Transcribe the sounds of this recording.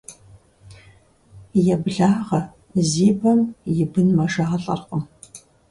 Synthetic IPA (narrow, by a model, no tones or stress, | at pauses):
jɛbɮaːʁɐ | ziːbɐmjɪbɨnmɐʒaːɐɬʼɐ̰rqʷəm